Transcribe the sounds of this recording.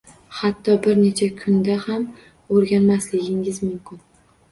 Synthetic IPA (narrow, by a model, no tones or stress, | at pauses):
hat̪ʰːɒbɪɾne̞t͡ʃʰakʰʊnd̪aham | oɾɡʲanmaslɪɡʲɪŋɪzmʊmkʲʰʊn